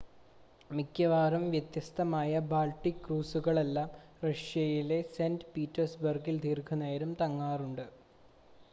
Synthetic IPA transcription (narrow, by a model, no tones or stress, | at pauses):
mikːjɐʋaːrɐmʋjɐt̪jɐst̪ʰɐmaːjɐbaːlʈːikːruːsuɣɐɭe̞lːaːm | rɐʂjɐjile̞seːndɨpiːtːɐrsbɐrɡild̪ʱiːrɡʰʱɐnejɐɾumt̪ɐŋːaːruɳɖɨ